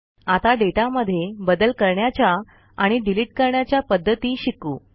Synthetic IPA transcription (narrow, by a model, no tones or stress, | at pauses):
at̪aɖeʈaməd̪ʱːjebəd̪əlkəɾɳjat͡ɕja | aɽ̃iɖiliʈ̚kəɾɳjat͡ɕjapəd̪ʱːət̪iːɕikṵː